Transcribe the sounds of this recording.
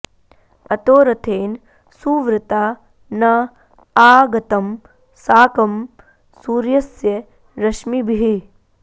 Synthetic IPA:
ɐt̪oːɾɐt̪ʰeːn | suːʋɾɐt̪aː | nɐ | aːɡɐt̪ɐm | saːkɐm | suːɾjɐsjɐ | ɾɐʃmibʱiɦi

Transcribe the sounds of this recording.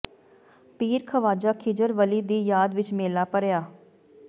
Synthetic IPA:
piːɾkʰəʋaːd͡ʒaːkʰɪd͡ʒəɾʋəliːd̪iːjaːd̪ʋɪt͡ʃmeːlaːpəɾjaː

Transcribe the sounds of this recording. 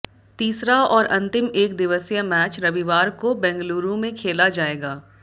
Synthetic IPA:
t̪iːsɾaɔːɾʔɐ̃nt̪ɪmeːk̚d̪ɪʋəsjəmɛːt͡ʃɾɐʋiʋaːɾkobɛ̃ːŋɡluːɾõmẽkʰeːlad͡ʒaːeːɡaː

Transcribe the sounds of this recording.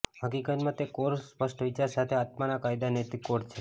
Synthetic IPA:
ɦəkikət̪mãt̪ekoɾspəsʈʋɪt͡ʃaɾsat̪ʰeat̪manakajd̪anet̪ikoɾt͡ʃʰe

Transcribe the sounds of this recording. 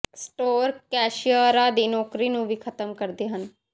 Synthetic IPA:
sʈoːɾkɛːʃijəɾaːd̪iːnɔːkɾiːnũːʋiːkʰət̪əmkəɾd̪eːɦən

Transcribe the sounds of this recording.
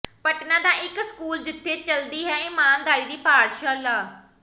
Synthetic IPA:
pəʈnãːd̪aːʔɪkskuːld͡ʒɪt̪ʰːeːt͡ʃəld̪iːɦɛːeːmãːnɡ̪aːɾiːd̪iːpaːɽʃaːlaː

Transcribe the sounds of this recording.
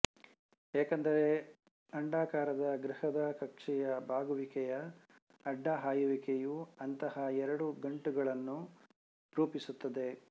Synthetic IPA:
eːkɐnd̪ɐɾe̞ | ɐɳɖaːkaːɾɐd̪ɐɡɾihɐd̪ɐkɐkʂɛjɐbʱaːɡuʋikɛjɐː | ɖːaɦaːjuʋikejuɐnt̪ɐhɐɛɾɐɽuɡɐɳʈuɡɐɭɐnːu | ɾuːpisut̪ːɐd̪e̞

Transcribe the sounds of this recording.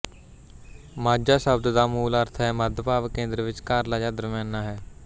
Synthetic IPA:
maːd͡ʒaːsəbd̪d̪aːmuːləɾt̪ʰɦɛːməd̪ʱpaːʋəkẽːnd̪ɾʋɪt͡ʃkaːɾlaːd͡ʒaːd̪əɾmjãːnːaːɦɛː

